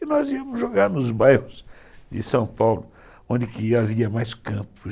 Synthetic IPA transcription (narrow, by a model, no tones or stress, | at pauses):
ɪnɔziɐmʊzʒoɡaɾnʊzbajhʊsd͡ʒ̪ɪ̰sɐ̃w̃pawlʊ | õd̪ɪkɪaviɐmajskɐ̃pʊ